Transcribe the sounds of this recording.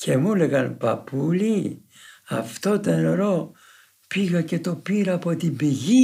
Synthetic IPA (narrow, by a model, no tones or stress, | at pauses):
cʰe̞muleɣɐnpɐpuli | ɐ̰ft̪o̞t̪oenɾo̞ | piɣɐce̞t̪o̞piɾɐːpo̞t̪imbiʝi